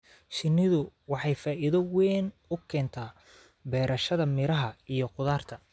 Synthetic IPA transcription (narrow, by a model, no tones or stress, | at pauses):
ʃɪnːɪðʊwɑħɑjfaːʔiðɐwɛːn | ʊkʰɛːnt̪ʰaː | bɛːɾʔɐʃɐðɐmɪɾɐɦɐijɞqʊðaːrt̪ʰɐ